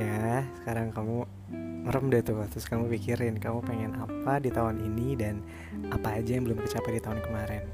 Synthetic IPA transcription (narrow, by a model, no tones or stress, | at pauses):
asə̥kaɾaŋkamu | məɾəmdat̪ut̪ɾʊskamupikiɾɪnkamupeŋɛnapadit̪awaninidan | apaːd͡ʒajaŋbəlʊmt̪ət͡ʃapɛdit̪aankəmaɾɛn